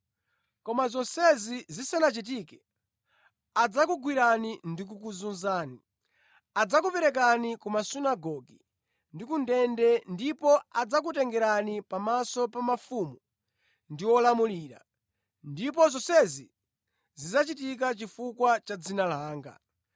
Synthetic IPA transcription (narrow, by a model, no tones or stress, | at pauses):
kɔmazɔsɛzizisanat͡ʃit̬ikɛ | ad͡zakuɡwiɾanindik̬ukuzunzaːni | ad͡zakupɛɾɛk̬anikumasunaɡɔɡi | ndikundɛndɛndipɔad͡zak̬utɛŋɡɛɾanipamasɔpamafumu | ndiwɔlamuliːɾa̰ | ndipɔzɔsɛzi | zizat͡ʃitik̬at͡ʃifukwat͡ʃad͡zinalaːŋɡa̰